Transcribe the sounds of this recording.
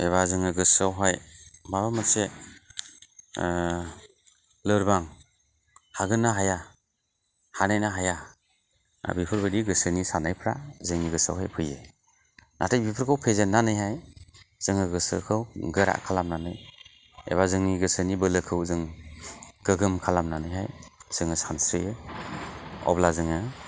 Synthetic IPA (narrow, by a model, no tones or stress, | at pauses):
eβazɯŋɯɡɯsawɦajmaβamase | lɯɾbaŋ | haɡɯnaɦaja | hanajnaɦaja | a̰bipʰɯɾbadiɡɯsɯnisanajpʰɾa̰zɯŋniɡɯsa̰wɦajpʰɯje | nʔa̰tʰajbipʰɯɾkʰɯwpʰezɯnːanɯjɦajz̥ɯŋɯɡɯsɯ̰kʰɯwɡɯɾa̰ʔkʰalamnanɯj | ḛβazɯŋniɡɯsɯnibɯlɯkʰɯwzɯŋ | ɡ̥ɯɡɯmkʰalamnanɯjɦajz̥ɯŋɯsansɾiɯ | ɔ̰blazɯŋɯ